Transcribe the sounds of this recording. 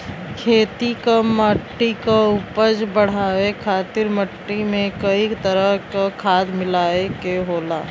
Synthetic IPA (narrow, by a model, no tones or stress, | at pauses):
kʰeːt̪ikamməʈːikaʊpəd͡ʒbəɽ̤aːwekʰaːt̪ɪɾməʈːimẽkəit̪əɾəɦkakʰaːd̪mɪlaːekeɦoːlaː